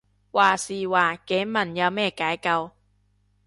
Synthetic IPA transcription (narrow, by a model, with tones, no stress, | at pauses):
waː˨˩siː˨˩waː˨˩ke˨˥˦mɐ˨˩nja˧wmɛː˥˧˩ka˨˦jka˧w